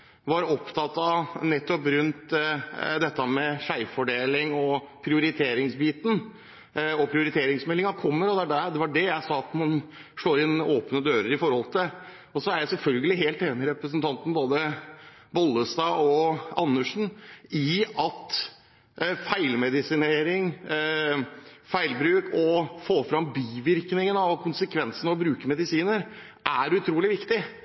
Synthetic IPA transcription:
ʋɑɾɔpt̪ʰɑt̪ːɑnɛt̪ːɔpɾʉnt̪ | d̪ɛt̪ːəmɛʂæɪfɔɖeːlɪŋɔ | pʰɾɪʊɾɪt̪ʰeːɾɪŋsbiːt̪n̩ | ɔpʰɾɪʊɾɪt̪ʰeːɾɪŋsmɛlːɪŋɑkʰɔmːəɾɔd̪æɖæɾd̪ɛʋɑɖɛjæɪsɑːɑt̪mɑn | ʂɭoːɾɪnoːpnəd̪øːɾəɾɪfɔɾhɔlt̪ʰɪl | ɔsɔæɾjæɪsɛlfœlɡəlɪɦeːlt̪eːnɪɾɛpɾəsənt̪ʰɑnt̪n̩boːd̪ə | bɔlːəst̪ɑːɔɑnːəʂɳ̩ɪɑt̪ | fæɪlmɛd̪ɪsɪneːɾɪŋ | fæɪlbɾʉːkʰɔfoːfɾɑmbiːʋɪɾknɪŋənɑʋkʰʊnsəkʰʋɛnsənəɔbɾʉːkəmɛd̪ɪsiːnəɾ | ʔæɾʉt̪ʰɾuːlɪʋɪkt̪ɪ

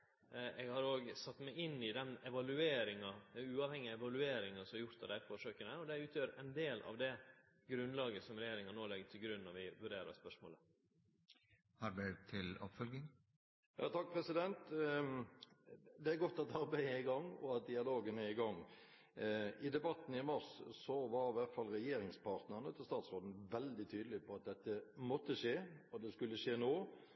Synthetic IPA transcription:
ɛɡhɑɾoːɡsɑt̪ːmæɪɪnːɪd̪ɛnɛʋɑlʉeːɾɪŋɑʉːɑːʋhɛŋːɪəɛʋɑlʉeːɾɪŋɑsɔmɑɾjʊɾt̪ɑd̪æɪfoːʂøːkənəɔd̪ɛʉːt̪ʰjøːɾɛɪnd̪eːlɑ̰ʋd̪ɛ | ɡɾʉnlɑːɡəsɔmɾɛjeːɾɪŋɑnoːlɛɡt̪ʰɪlɡɾʉnːɔɾʋɪʋʉɾeːɾɑ̰spœʂmoːlə | hɑɾɖʉt̪ʰɪlɔ̰pfœlɡɪŋ | jʔɑ̰ːt̪ʰɑk̚pʰɾɛsɪd̪ɛnt̪ | d̪ɛæɾɡɔt̪ːɑt̪ɑɾbæɪəɪɡɑŋːɔ̰ɑt̪̚d̪ɪɑloːɡənæɪɡɑŋː | ɪd̪ɛbɑt̪ːn̩ɪmɑɾssɔʋɑɾɪʋæɾt̪fɑlɾɛjeːɾɪŋspʰɑːɾt̪nəʁnət̪ʰɪlst̪ɑːt̪sʁoːd̪n̩ʋɛld̪ɪt̪ʰyːd̪əlɪpʰɔɑt̪̚d̪ɛt̪ːəmɔt̪ːəʂeːɔd̪ɛskʉlːəʂeːnoː

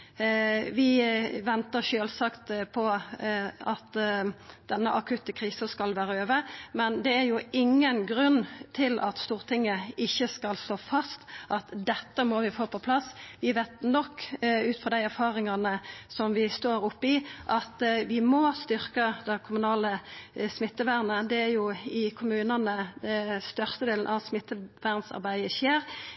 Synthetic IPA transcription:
ʋɪʋɛnt̪əʃøːlsɑkt̪pʰɔ | ɑt̪ | d̪ɛnːəʔɑkʰʉt̪əkʰɾiːsəskɑlʋæːɾəøːʋəmɛnd̪ɛæɾjʊɪŋːənɡɾʉnːt̪ʰɪlʔɑt̪st̪uːʁt̪ʰɪŋːəɪçːəskɑlst̪oːfɑst̪ʔɑt̪d̪ɛt̪ːəmɔʋɪfoːpʰɔpʰlɑsʋɪʋeːt̪nɔkːʉːt̪fɔʁd̪æɪæɾfɑːʁɪŋɑnəsɔmʋɪst̪oːɾʊpːɪʔɑt̪ʋɪmɔst̪ʏʁkəd̪ɛkʰʊmʉnɑːləsmɪt̪ːəʋæʁnəd̪ɛæɾjʊɪkʰʊmʉːnɑnəst̪œʁst̪əd̪eːln̩ʔɑʋsmɪt̪ːəʋæʁnsɑ̰ʁbæɪəɕeːʁ

